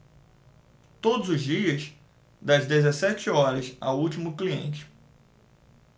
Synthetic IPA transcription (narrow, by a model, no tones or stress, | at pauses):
t̪od̪ʊzʊzd͡ʒiɐs | d̪ɐzd̪ezesɛt͡ʃɪɔɾɐsa̰wuwt͡ʃimʊkliḛ̃nt͡ʃɪ̥